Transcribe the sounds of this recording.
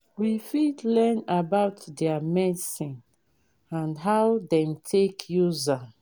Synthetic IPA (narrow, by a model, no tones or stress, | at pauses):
wifidlɛnabaʊtdɛamɛdisĩn | ãnɦawdɛ̃mtʰekʰjuza